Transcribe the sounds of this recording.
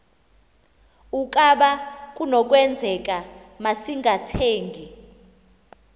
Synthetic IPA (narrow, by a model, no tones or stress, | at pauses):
ukʼaɓak̬ʼunɔk̬ʼwɛnd͡zʱɛk̬ʼa | masiŋʱatʰeːŋɡʱi